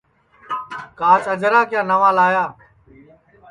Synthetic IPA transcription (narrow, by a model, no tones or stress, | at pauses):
kaːt͡ʃəd͡ʒɾaːkjãːnəʋaːlaːjaː